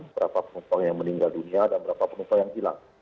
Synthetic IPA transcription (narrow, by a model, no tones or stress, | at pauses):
nbəɾapapənupaŋjaŋməniŋɡalduniadanbəɾapapənupaŋjaŋila̰ŋ